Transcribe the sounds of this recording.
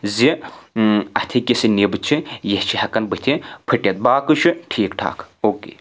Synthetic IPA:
zi | ɐt̪ʰikʲisinibɨt͡ʃʰijɐht͡ʃʰihɐkɐnbɨt̪ʰipʰɨʈʲɐt̪̚baːkɨt͡ʃʰɨʈʰiːkʈʰa̰ːkʰoːkḛː

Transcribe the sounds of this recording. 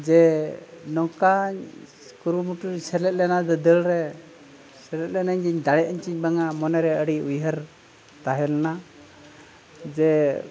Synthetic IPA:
d͡ʒɛ | nɔkaɲ | kuɾumuʈuɾsɛlɛt̪̚lɛnad̪ɔd̪əlɾɛ | sɛlɛt̪̚lɛnaɲd͡ʒiɲd̪aɽɛəɲt͡ʃiɲbaŋamɔnɛɾɛəɽiujɦəɾ | t̪aɦɛlɛna | d͡ʒɛ

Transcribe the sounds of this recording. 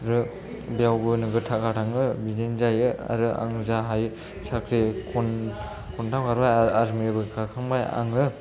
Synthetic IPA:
ɾɯ | bijawbɯnɯɡɯtʰakatʰaŋɯbidenzajɯa̰ɾɯa̰ŋɯzaɦaj | sakʰɾikʰɔn | kʰuntʰamkaɾbajaɾmebɯkaɾkʰaŋbaja̰ŋɯ

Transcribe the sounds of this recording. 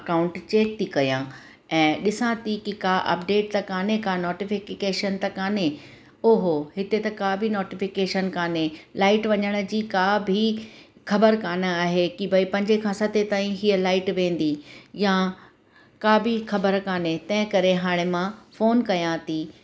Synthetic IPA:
ɐkaːʊ̃ɳʈt͡ɕeːk̚t̪ʰikɐjãː | ɛ̃ːɗɪsãːt̪ikikaːʔɐ̰pɖeːʈ̚t̪ɐkaːnekanoːʈɪfɪkkeːʃənt̪ɐkaːne | oːɦoɦɪt̪et̪ɐkaːbʱinoːʈɪfɪkeːʃənkaːnelaːɪʈʋɐɲəɽ̃ə̆d͡ʑiːkaːbʱi | xɐbəɾkaːnəaːɦekibʱɐipɐ̃ɲd͡ʑekʰãsɐt̪ʰet̪aːĩɦiəlaːɪʈʋẽːn̆d̪ija | kaːbʱixɐbəɾkaːnet̪ɐ̃ɦɪ̃kɐɾeɦaːɽ̃emãfoːnkɐjãːt̪iː

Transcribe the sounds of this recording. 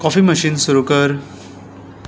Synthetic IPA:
kɔfiːməɕiːnsuɾukəɾ

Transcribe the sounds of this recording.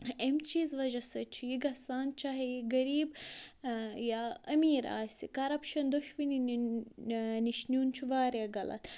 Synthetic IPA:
emt͡ʃiːzʋɐd͡ʒɐsɐt͡ʃʰijiɡɐsaːnt͡ʃaɦeɡɐɾiːb | jaːɐmiːɾa̰ːsikɐɾɐpʃɐnd̪oʃʋini | niʃnʲuːnt͡ʃʰiʋaːɾjɐɡɐlɐ̰t̪

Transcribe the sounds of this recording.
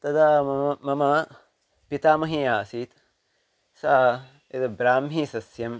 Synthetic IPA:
t̪ɐd̪amɐmɐ | pit̪aːmɐɦĩaːsiːt̪ | saː | ed̪ɐbɾaːmɦiːsɐsjɐm

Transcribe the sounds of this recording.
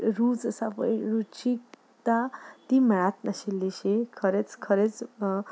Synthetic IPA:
ɾut͡ssapʌjɾut͡ʃik̚ | t̪at̪imɾat̪naselːisekʰʌɾet͡skʰʌɾet͡s

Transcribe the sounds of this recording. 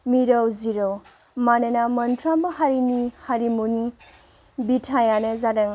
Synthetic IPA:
miɾɐwziɾɐw | manɐnamɐntʰɾambɐɦaɾinihaɾimuni | bitʰajanɐzadɐŋ

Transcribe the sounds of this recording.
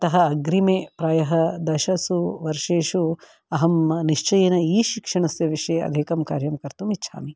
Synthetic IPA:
ɐt̪ɐɦɐːɡɾimeːpɾaːjɐɦɐd̪ɐʃɐsuʋɐɾʂeːʃu | ɐɦɐmniʃt͡ʃɐjeːnɐiːʃikʂɐɳɐsjɐʋiʂɐjɐ̰d̪ʱiːkɐmka̰ːɾjɐmkɐɾt̪umitːʃʰa̰ːmi

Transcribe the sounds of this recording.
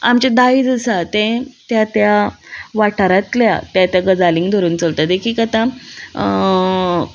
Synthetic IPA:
amt͡ɕad̪aid͡zəsat̪ɛ̃t̪jat̪jaʋaʈʰaɾat̪lja̰t̪jat̪jaɡəd͡zaliŋɡd̪ʱoɾuːnt͡səlt̪əd̪ekʰiːkat̪ã

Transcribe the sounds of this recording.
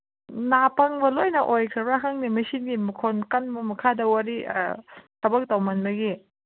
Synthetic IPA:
napɐŋbɐlojnɐʔojkʰɾɐbaɦaŋnimɐsinɡimɐkʰonkɐnbɐmɐkʰadɐwaɾḭ | sʰɐbɐk̚tawmɐnbɐɡi

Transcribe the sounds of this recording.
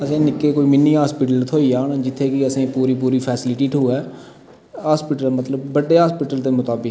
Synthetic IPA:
əsẽːnɪkeːkoːiːmɪnːiːɦaːspɪːʈəlt̪ʰoːiːaːnd͡ʒɪt̪ʰːeːkɪəsẽːpuːɾiːp̬uːɾiːpʰɛːsɪlɪʈiːʈʰuːɛː | ɦaːspiːʈəlmət̪ləbːəɖeːɦaːspiːʈəlt̪eːmʊt̪aːbɪk

